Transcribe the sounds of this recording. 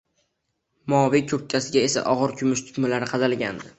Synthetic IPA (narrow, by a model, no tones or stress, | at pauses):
mɒvekʲʰɵɾ̚ʲkʰʲːasɪɡʲae̞sa̰ʔɒʁɨɾkʲʰʊmɪʃt̪ʰʊ̥k̪malaɾɪqʰɑzalɡʲand̪ɪ